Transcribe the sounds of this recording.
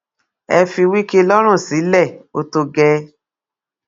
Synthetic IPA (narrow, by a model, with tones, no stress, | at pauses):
ɛ˧fi˧wi˦ke˦lɔ˦ɾ̃ũ˦˨si˨˦lɛ˦˨o˧˦to˧ɡɛ˧˦